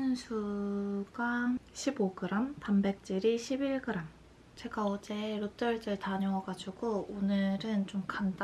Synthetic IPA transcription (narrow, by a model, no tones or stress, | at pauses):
nsʰuɡaɕʰiboɡɯɾampambe̞k̚t͡ɕ͈iɾiɕʰibiɭɡɯɾam | t͡ɕe̞ɡaʌd͡ʑe̞ɾot͈ʌɭd͡ʑɯɭtaɲʌŋʌɡad͡ʑuɡoonɯɾɯnt͡ɕomkanda